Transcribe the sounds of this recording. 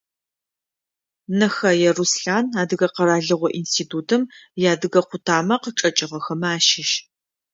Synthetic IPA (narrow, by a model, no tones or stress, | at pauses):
nɐxɐjɛrusɬaːnaːdɨɣɐqɐɾaːɮɨʁʷɔʔiːnstʰiːtʰuːtʰɨmjaːdɨɣɐqʷʊtʰaːmɐqəʈ͡ʂʼɐt͡ʃʼɪʁɐxɐmaːʃɪʃ